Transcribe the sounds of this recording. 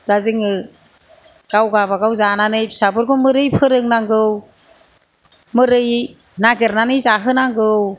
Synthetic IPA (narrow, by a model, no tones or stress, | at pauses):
laziŋɯ | ɡ̥awɡaβaɡawzananɯjsabɯɾɡɔmɯɾɯjpʰɯɾɯŋnaŋɡɯw | mɯɾɯjnaɡeɾnanɯjzaɦɯnaŋɡɯw